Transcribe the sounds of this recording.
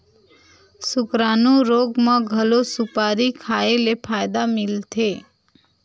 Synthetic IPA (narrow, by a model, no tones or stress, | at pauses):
sʊkɾanũɾoːɡmãɡʱəlosʊpaːɾikʰaelepʰaːjd̪amɪlt̪ʰeː